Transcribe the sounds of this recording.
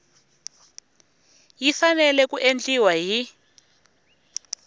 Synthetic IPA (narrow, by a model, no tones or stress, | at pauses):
jifanɛlɛkuʔend͡ɮiwaɦi